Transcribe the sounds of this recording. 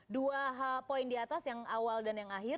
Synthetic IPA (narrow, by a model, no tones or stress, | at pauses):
duaɦapoindiat̪asjaŋawaldanjaŋaɦɪ